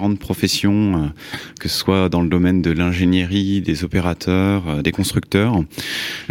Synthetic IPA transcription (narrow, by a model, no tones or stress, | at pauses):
ʁɑ̃t̪̚pχɔfɛsjɔ̃økəsə̥swad̪ɑ̃ləd̪ɔmɛnd̪əlɛ̃ʒenjəʁid̪ezɔpeʁat̪ʰœʁød̪ekɔ̃st̪χyk̚t̪œːʁ